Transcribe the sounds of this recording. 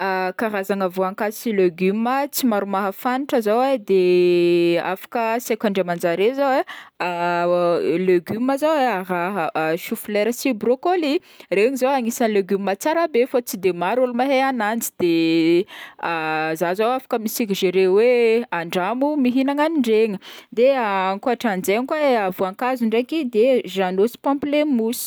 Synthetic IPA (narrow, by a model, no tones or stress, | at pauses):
akaɾazaŋəvoaŋkasileɡymət͡simaɾumaɦəfaniʈ͡ʂəzowed̪e | a̰fḁkəsekʲaɳɖ͡ʐemand͡zaɾezawe | løɡyməzaweaɦaʃufleɾəsibɾokoli | reɲizaaŋisəleɡummat͡saɾabefat͡sid̪emaɾolumaɦeanand͡zi̥d̪̥e | azazawafḁkəmisikʲiʒeɾeweaɳɖ͡ʐamumiɦinaŋaniɳɖ͡ʐeŋəd̪eaŋkuaʈ͡ʂand͡zeɲikaavuaŋkazuɳɖ͡ʐekid̪eʒanosi̥pãmplemusi̥